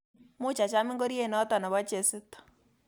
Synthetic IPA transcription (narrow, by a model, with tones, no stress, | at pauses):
mʊ˦˨t͡ʃa˨t͡ʃa˦mɪ˦ŋɡo˦ɾi˦e˦˨nɔ˨˦ta˨na˨βa˦t͡ʃe˨sɪ˦tɔ̥˨